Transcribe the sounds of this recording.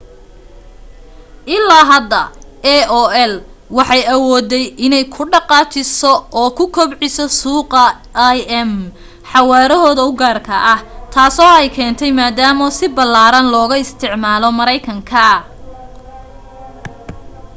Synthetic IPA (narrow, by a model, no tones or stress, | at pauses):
ʔɪlːaːɦɐd̪ːɐ̰ɛɔːɛlwɑħɑjɐwɔːd̪ɛjʔɪnɛjkʰʊɖɑqɑːt͡ʃʰɪsɔɔːkʰʊkʰɔbʕɪsɔsuːqɐ | jɛm | ħɑwaːɾɔɦɔːðɐʊɡaːrkʰɐʔɐht̪ʰaːsɔːɛjkʰɛːnt̪ʰɛjmaːd̪aːmɔsɪbɐlaːɾɐnlɔːɣɐɪst̪ʰɪʕmaːlɔmɐɾɛjkʰɐŋkʰɐ